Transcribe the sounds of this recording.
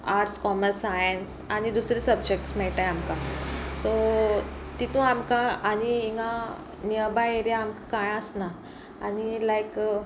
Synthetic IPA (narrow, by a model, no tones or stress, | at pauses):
aɾʈskɔməɾsajənsaɽ̃id̪usɾisəbd͡ʑek̚ʈsmɛɭʈajamkaso | t̪it̪ũamkaaɽ̃iiŋɡa | niəbaeɾjaamkakãjəsna | añilajk